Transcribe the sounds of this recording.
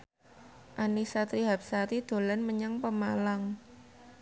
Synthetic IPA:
ʔanisat̪ɾiɦap̚saɾid̪̥o̤lanməɲaŋpəmalaŋ

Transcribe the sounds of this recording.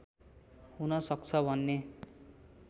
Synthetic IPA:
hunʌsʌk̚t͡sʰʌbʱʌnːe

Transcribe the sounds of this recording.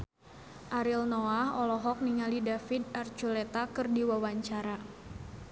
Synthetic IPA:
ʔaɾilnɔahɔlɔɦɔk̚niŋalidafid̚art͡ʃulet̪akɨrdiwawaɲt͡ʃaɾa

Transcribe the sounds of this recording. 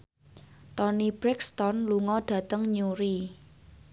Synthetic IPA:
t̪ɔnib̥ɾɛkst̪ɔnluŋɔɖ̥ä̤t̪əŋɲuɾi

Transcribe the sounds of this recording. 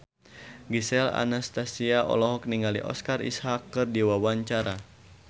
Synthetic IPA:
ɡisɛla̰nast̪asiaʔɔ̰lɔɦɔk̚niŋalḭʔɔ̰skarḭshakːɨrdiwawaɲt͡ʃaɾa

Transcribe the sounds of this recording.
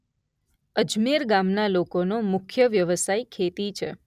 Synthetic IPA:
əd͡ʒmeɾɡamnalokonomʊkʰjəʋjəʋəsajkʰet̪it͡ʃʰe

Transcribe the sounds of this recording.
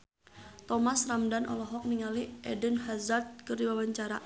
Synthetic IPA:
t̪ɔmasramdanʔɔ̰lɔɦɔk̚niŋaliʔɛdənhazat̪̚kɨrdiwawaɲt͡ʃaɾa

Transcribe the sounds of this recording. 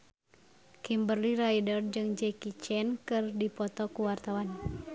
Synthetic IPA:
kimbərliɾajdɔrd͡ʒɨŋd͡ʒɛkit͡ʃɛnkɨrdipɔt̪ɔkuwart̪awan

